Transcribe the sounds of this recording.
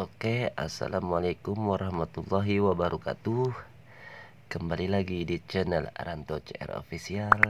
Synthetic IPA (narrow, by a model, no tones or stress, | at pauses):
okea̰sa̰lamualakumwaɾahmat̪ulːaɦiwabaɾuka̰t̪u | kəmbalilaɡidit͡ʃənəl̰ɾant̪ot͡ʃɛ̰ro̰fisial